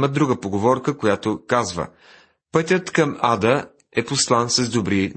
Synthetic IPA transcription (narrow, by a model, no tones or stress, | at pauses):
məd̪ɾuɡəpoɡovɔɾkəkojat̪okazvə̰ | pɤt̪ʲət̪kɐmad̪ə | ɛposlˠansəzd̪obɾi